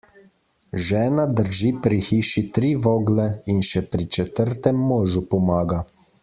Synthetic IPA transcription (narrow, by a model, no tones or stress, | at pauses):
ʒɛːnad̪əɾʒiːpɾixiːʃit̪ɾiːʋoːɡlɛinʃɛpɾit͡ʃɛt̪əɾt̪ɛmːoːʒupɔmaːɡa